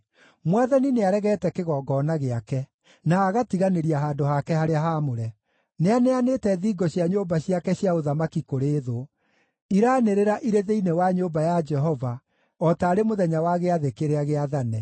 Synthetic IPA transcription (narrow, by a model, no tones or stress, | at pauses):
mwaðanineaɾɛɣɛtɛkeɣɔːɡɔːnaɣeakɛ | naːɣatiɣaneɾiaɦaːdohakɛhaɾeaɦamoɾɛ | neaneanetɛðiːɡɔɕiaɲoːbaɕiakɛɕjaoðamakikoɾeːðo | iɾaːneɾeɾaʔiɾeðeinewaɲoːbajad͡ʒɛɦɔva | ɔtaːɾemoðɛɲawaɣeaðekeɾeaɣeaðanɛ